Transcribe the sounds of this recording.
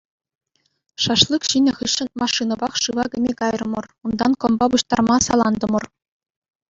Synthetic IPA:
ʂɑʂlˠɯkɕinʲɘ̆χɯɕːɤ̆nmɑʂːɯnɤ̆bɑχʂɯʋɑɡʲɘ̆mʲekɑjrɤ̆mɤ̆rund̪ɑnkɤ̆mbɑbuɕt̪ɑrmɑsɑlˠɑnd̪ɤ̆mɤ̆r

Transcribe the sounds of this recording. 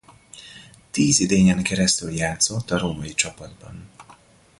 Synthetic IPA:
t̪iːzid̪eːɲɛŋkɛɾɛst̪yljaːt̪so̞t̪ːɒɾoːmɒjit͡ʃɒpɒd̪̚bɒ̰n

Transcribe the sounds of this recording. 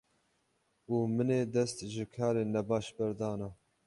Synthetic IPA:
uːmɨneːd̪ɛst̪ʒɨkʰɑːɾeːnɛbɑːʃbɛɾd̪ɑːnɑ

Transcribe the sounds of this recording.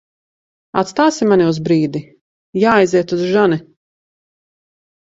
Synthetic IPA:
a̰t̪st̪aːsimaniuzbɾiːd̪i | jaːjziɛt̪uzʒani

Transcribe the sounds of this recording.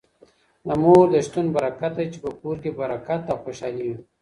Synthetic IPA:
namoːd̪əʃt̪unbaɾakat̪̚ajt͡ʃe̥pəkuːɾkebaɾakat̪ːawxoʃɑːliwi

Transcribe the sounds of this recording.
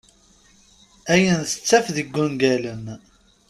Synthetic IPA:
æjənθə̥t͡sːæfðəɡːunɡælən

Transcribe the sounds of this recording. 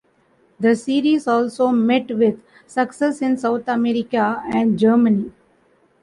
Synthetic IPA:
d̪əsiːɾizɔːlsoːmɛʈʋɪd̪ | səksesɪ̃nsaʊt̪ʰəmeɾɪkaɛ̃ɳɖd͡ʒəːɾməni

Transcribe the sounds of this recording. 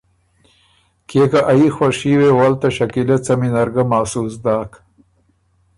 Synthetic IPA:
keːkaʔaixwɐʂiwewalt̪ɐʃɐkilet͡sɐminɐɾɡamaːsuːsd̪aːk

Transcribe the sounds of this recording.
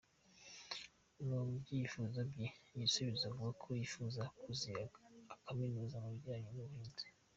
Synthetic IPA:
nomubɟifuzabijisuβizavuɡakʰojifuzakʰuziakʰaminuːzamaβɟaːɲonuuheːnze̥

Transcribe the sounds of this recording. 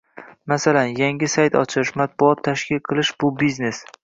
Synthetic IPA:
masalanjaŋʲɪsajt̪ɒ̰t͡ʃʰɪʃmat̪̚bʊɒt̪ʰːaʃkʲɪlqʰɨlˠɪʃb̥ʊbizne̞s

